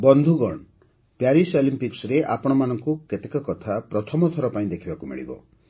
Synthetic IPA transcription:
bɔnd̪ʱuɡɔɳ | pjaɾisolimpiksɾeʔa̰pɔɽ̃ɔmanɔŋkuket̪ekɔkɔt̪ʰapɾɔt̪ʰɔmɔt̪ʰɔɾɔpaĩd̪ekʰibakumḭɭḭbɔ̰

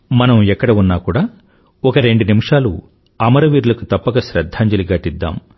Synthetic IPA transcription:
mɐnɐmɛkːɐɽɐunːaːkuːɽaː | ɔkɐɾe̞ɳɖunimuʂaːlṵ | ɐmɐɾɐʋiːɾulɐkut̪ɐpːɐɡɐʃɾɐd̪ʱːaːɲd͡ʒɐliɡaːʈid̪ːa̰ːm

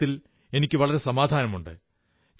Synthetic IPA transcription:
il | e̞nikʲːɨʋɐɭɐɾe̞sɐmaːd̪ʱaːnɐmuɳɖɨ̰ | t͡ɕ

